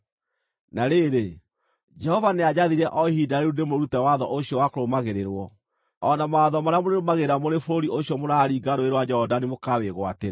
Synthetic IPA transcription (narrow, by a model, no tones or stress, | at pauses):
naɾeɾe | d͡ʒɛhɔvanead͡ʑaðiɾɛʔɔhidaɾeunemoɾutɛwaðɔʔoɕijɔwakoɾomaɣeɾeɾwɔ | ɔnamaːðɔmaɾeamoneɾomaɣeɾamoɾefoɾiʔoɕjɔmoɾaːɾiːɡaɾoeɾwad͡ʒɛɔdanemokaweɣwateɾa